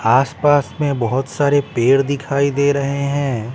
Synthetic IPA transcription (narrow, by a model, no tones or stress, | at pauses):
aːspaːsmẽbɐɦʊt̪saːɾepeːɽd̪ɪkʰaːid̪eːɾɐɦeɦɛ̃ː